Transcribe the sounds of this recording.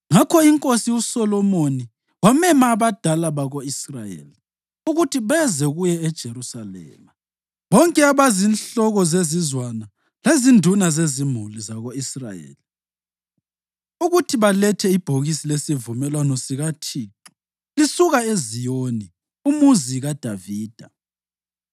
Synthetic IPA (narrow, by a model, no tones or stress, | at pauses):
ŋakʰɔiŋkʼosiusɔlɔmoni | wamɛmaːβad̥ʱalaβaɣoisra̰jḛli | uɣutʰiβɛzɛɣujɛːd̥ʒ̥ʱeɾusalɛ̰ːma | βɔŋkʼɛaβazinɬɔɣɔzezizwana | lezindʱunazezimulizaɣoisra̰jḛːli | uɣutʰiβalɛtʰɛib̥ʱoɣisilesivumɛlwanɔsiɣatʰiːǃu̥ | lisuɣaezijoni | umuziɣad̥ʱaviːd̥ʱa